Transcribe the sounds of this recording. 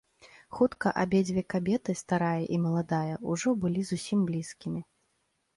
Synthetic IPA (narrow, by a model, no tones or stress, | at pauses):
xut̪kɐʔabʲed͡zʲvʲɛkabʲɛt̪ɨst̪aɾajɐʔimɐlˠad̪ajɐuʐɔbɨlʲizusʲimblʲiskʲimʲi